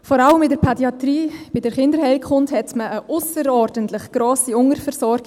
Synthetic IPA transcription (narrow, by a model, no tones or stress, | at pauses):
fɔɾɑləmɪdəɾpʰɛdiɑtriːb̥ɪdəɾχɪndəɾhɛɪlkχʊnthɛtməːʔʊsəɾɔːɾdəntlɪχɡ̥ɾoːsiʊŋəɾfɛɾsɔɾɡ̥